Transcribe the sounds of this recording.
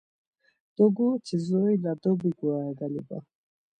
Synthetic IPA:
d̪̥ɔɡut͡ʃʰizɔjlad̪ɔbiɡuaɛɡaliba̰

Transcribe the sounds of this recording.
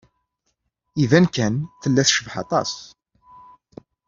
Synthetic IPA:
ivænkænθəlːæθʃəvħɑ̰t̪ˤɑ̰s

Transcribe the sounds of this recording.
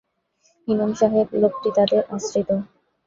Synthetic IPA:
ɦinomʃaɦeblob̚ʈit̪ad̪eɾʔasɾit̪o

